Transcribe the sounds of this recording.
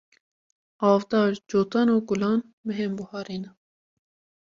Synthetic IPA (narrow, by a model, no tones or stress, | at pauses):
ɑːvd̪ɑːɾd͡ʒoːt̪ɑːnoːɡulɑːn | mɨɦembuhɑːɾeːna